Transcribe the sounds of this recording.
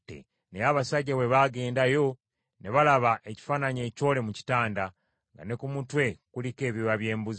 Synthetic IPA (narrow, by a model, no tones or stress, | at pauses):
tḛ | nejaβasaɟːawe̞βaɡe̞ːndajo̞ | ne̞βalaβaʔe̞ci̥faːnaɲe̞ːco̞ːle̞muci̥taːnda | ŋɡa̰ne̞kumutwe̞kulike̞ːβiwaβje̞ːmbuz